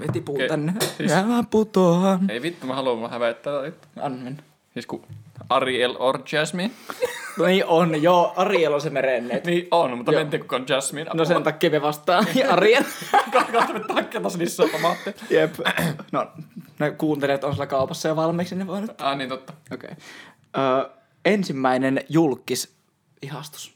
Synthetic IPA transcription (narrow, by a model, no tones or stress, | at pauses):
ʋet̪ipuːt̪ɑnːeiæʋæmput̪oɑneipit̪ːumɑhɑluʋɑhæʋeˑt̪ːæːt̪it̪ːɑnʋen | siskuɑrielort͡ʃæsminnniːʔonjoːɑriˑelonsemerenːˑet̪niːʔonmut̪ːɑment̪ːiːkukɑnt͡ʃæsminnosent̪ɑkːiːʋeʋɑst̪ˑɑːɑɑrielkɑkɑt̪met̪t̪ːhɑkːeːt̪ɑslisːæpɑmɑt̪ːejepnonekuːnt̪eliɑt̪onsilːækɑˑupɑsːɑjoʋɑlmiːksinːeʋoˑint̪ːɑːniːnt̪ot̪ːɑʔokḛˑi | ʔəː | ensimːæinenjulkːis | ihɑst̪u̥s